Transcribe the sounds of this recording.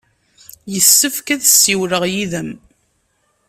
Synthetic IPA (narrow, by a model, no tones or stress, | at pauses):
jəsːəfkæðsːiwɾəʁjiðəm